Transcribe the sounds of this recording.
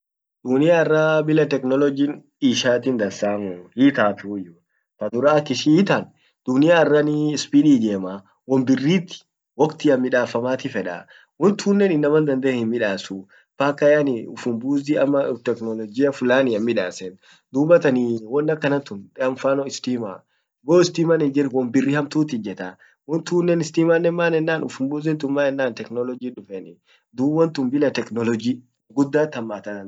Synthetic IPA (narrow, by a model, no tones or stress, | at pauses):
d̪̥unɪjaːɛrːaːbɪlɐt̪ɛknɔlɔd͡ʒin | iːʃaːt̪ind̪ɐnsaːmuhiːt̪aːt̪ujʊ | fɐd̪ʊɾaːɐkːɪʃiːt̪an | d̪̥ʊnɪjaɪrːanɪspiːᶑ̪iːd͡ʒ̪eːmaː | wɔmbɪrːiːt̪ːɪ̥ | wɔkt̪ɪɐmːɪᶑaːfɐmaːt̪ɪfɛᶑa̰ | wɔnt̪ʰuːnːɛnɪnːɐmɐnd̪ɐnd̪ɐɛhɪnmɪᶑaːsu | paːkɐjanɪʊfʊmbuːziɐmːɐt̪ɛknɔlɔd͡ʒɪjɐfʊlaːnɪɐmːɪᶑa̰ːsɛn | d̪uːbɐt̪ɐniwɔnːɐkːɐnɐnt̪ʊnᶑɛɐɱfaːnɔɪst̪iːma̰ː | boːɪst̪iːmanɪnd͡ʒɪɾwɔnbɪrːiːhɐmt̪uːt̪ɪd͡ʒɛt̪ɐ | wɔnt̪uːnːɛnɪst̪iːmaːnːɛnmaːnɛnːaːnʊ̰fʊmbuːzɪnt̪ʊnmaːnɛnːaːnt̪ɛknɔlɔd͡ʒiːᶑʊfɛnɪ | d̪uːwɐnt̪ʊmbɪlɐt̪ɛknɔlɔd͡ʒi | ɡʊd̪ːaːt̪ːɐmːaːt̪ɐn